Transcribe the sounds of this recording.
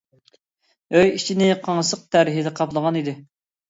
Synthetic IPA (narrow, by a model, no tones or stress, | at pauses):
øjit͡ʃʰinɪqʰɑŋsəq̚t̪ʰæɾɪɦɪd̪ɛqʰɑplˠəʁɑnid̪ɪ